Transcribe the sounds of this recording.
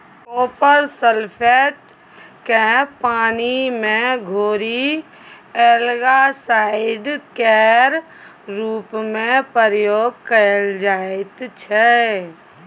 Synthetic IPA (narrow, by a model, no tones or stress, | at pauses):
oːpəɾsəlpʰeʈ | kepaːnimẽɡʱoːɾi | eːlɡasaːɪɖkɛːɾ | ɾuːpmẽpəɾjoːɡ̚kəld͡ʒaːɪt̪t͡ʃʰɛ